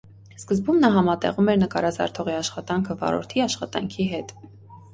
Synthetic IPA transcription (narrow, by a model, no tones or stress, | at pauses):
skəzbumnɑɦɑmɑt̪ɛ̰ʁumɛɾnəkɑɾɑzɑ̰ɾt̪ʰɔʁiɑʃχɑt̪ɑŋkʰəvɑ̰ɾɔ̰ɾt̪ʰiɑʃχɑt̪ɑ̰ŋkʰiɦɛt̪